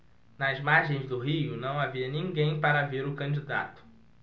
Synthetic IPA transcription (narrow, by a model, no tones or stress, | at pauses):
nɐzmaɾʒẽj̃zd̪ʊɦijʊnɐ̃w̃aviɐnĩŋɡẽj̃paɾaveɾʊkɐ̃d͡ʒid̪a̰t̪ʊ̥